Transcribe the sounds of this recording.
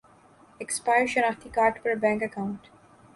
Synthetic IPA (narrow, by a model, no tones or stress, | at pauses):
ekspaɪeʃə̃nɔfd̪ikaːɾʈpəɾbæ̃ŋkəkãʊ̃ɳʈ